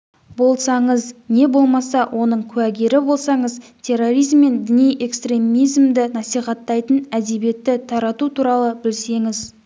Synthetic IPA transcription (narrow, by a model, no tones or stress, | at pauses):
bo̞lˠsɑɴəzne̞bo̞lˠmɑsɑwʔo̞nəɴkʲʰʉæɡʲe̞ɾɪbo̞lˠsɑɴəzt̪ʰe̞rːo̞ɾijzmːe̞nd̪ɪnijʔe̞kst̪ɾe̞mijzmd̪ɪnɑsijχɑt̪ːɑjt̪ənæd̪e̞bije̞t̪ːɪt̪ʰɑɾɑt̪ut̪ʰuɾɑlˠəbɪlse̞ŋɪz